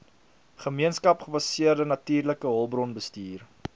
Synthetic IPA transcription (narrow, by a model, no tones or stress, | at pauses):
χəmiənskɐpχəfɐsiərdənɐtiːrləkəɦɔlˠbrɔnbəstiːr